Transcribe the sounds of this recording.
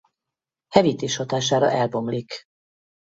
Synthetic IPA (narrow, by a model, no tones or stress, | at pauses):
hɛvit̪eːʃhot̪aːʃaːɾɒ̰ʔɛlbo̞mlik